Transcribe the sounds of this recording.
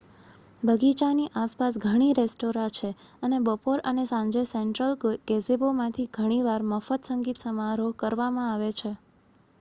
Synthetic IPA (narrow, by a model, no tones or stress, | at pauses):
bʱəɡit͡ʃaniʔaspasɡʱəɽ̃iɾesʈoɾãt͡ʃʰeənebəpoɾənesãɲd͡ʒesɛɳʈɾəlɡɡezebomãt̪ʰiɡʱəɽ̃iʋaɾməfət̪səŋɡit̪səmaɾoɦkəɾʋamãaʋet͡ʃʰe